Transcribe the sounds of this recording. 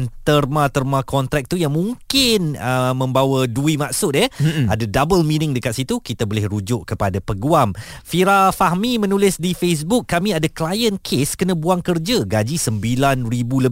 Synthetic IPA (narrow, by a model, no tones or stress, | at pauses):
nt̪ərmãt̪ərmãkʰɔnt̪ɾɛk̚t̪ujaŋmũŋkɪnəmə̃mbawaduimaʔsʊt̪̚jəadadabəlminɪŋdəkat̪̚sit̪ukit̪abolɪhɾud͡ʒʊʔkəpadapəɡuamfiɾafaɦmimə̃nulɪsdifes̬bʊkːamĩadaklajənkʰeskənãbuaŋkərd͡ʒaɡad͡ʒisəmbilanribulə